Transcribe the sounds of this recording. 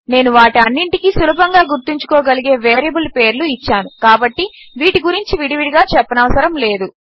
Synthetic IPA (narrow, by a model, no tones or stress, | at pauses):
ne̞ːnuʋaːʈiɐnːiɳʈikiːsulɐbɐŋɡaːɡuɾt̪iɲt͡ʃu̥kɔːɡɐliɡe̞ːʋeːɾjɐbulpe̞ːɾluit͡ʃːaːnukaːbɐʈːiʋiːʈiɡuɾiɲt͡ʃiʋiɽiʋiɽiɡaːt͡ʃɛpːɐnɐʋɐsɐɾɐmle̞ːd̪u